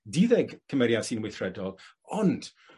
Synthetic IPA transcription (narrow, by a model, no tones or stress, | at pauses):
diðɛɡkʰəmɛɾjasinwɪθrɛdɔlˠ | ɔnd̥